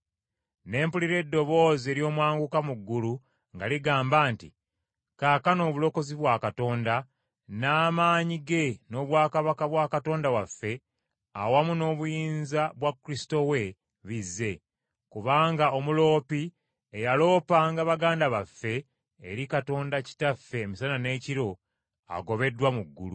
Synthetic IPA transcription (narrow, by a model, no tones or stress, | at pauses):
ne̞ːmpuliɾe̞dːo̞βo̞ːze̞ːɾjo̞ːmwaːŋɡukamuɡːulu | ŋɡa̰liɡaːmbaːntḭ | kaːkano̞ːβulo̞ko̞ziβwaːkato̞ːnda | naːmaːɲiɡe̞no̞ːβwaːkaβakaβwaːkato̞ːndawafːe̞ | a̰wamuno̞ːβujiːnzaβwakːuɾisi̥to̞we̞ | βizːe̞ | kuβaːŋɡao̞mulo̞ːpi | ejalo̞ːpaŋɡaβaɡaːndaβafːe̞ː | ɾikato̞ːndaci̥tafːe̞ːmisanane̞ːciɾo̞ | a̰ɡo̞βe̞dːwamuɡːṵlu